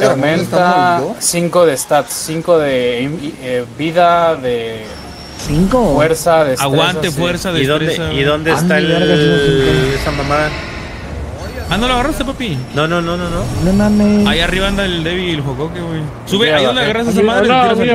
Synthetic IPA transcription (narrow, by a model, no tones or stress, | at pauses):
t̪oɾmẽnt̪asiŋko̞ðest̪at̪siŋkoðe | ebiðaðe | siŋkofweɾsaðeaɣwanefweɾsaðeisðoeesaiðond̪est̪ael | esamãma | anoloaɣaɾrasust̪ep̬apinonononononemameaiariβaand̪aðeld̪eβielxokokeɣwej | suβeajond̪aɣaɾaesas̬amãnos